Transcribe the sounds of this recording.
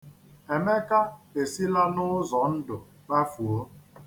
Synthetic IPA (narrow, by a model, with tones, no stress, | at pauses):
e˨me˦ka˦e˨si˦la˦nʊ˦zɔ˨n̩˦dʊ˨ | k͡pa˦fu˨o˦